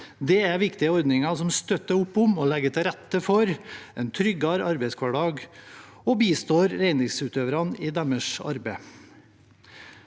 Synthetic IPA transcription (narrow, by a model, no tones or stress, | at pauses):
d̪ɛːæʋɪkt̪ɪəɔɾd̪nɪŋɑsɔmst̪œt̪ːəʊpːʊmoːlɛɡət̪ʰɪɾɛt̪ːəfɔɾɛnt̪ʰɾʏɡɑɾɑɾbeɪskʰʋɑɖɑːɡ | oːbiːst̪oːɾɾeɪnɪŋsʉːt̪øːʋəɾɑniːd̪ɑməʂɑ̰ɾbeɪ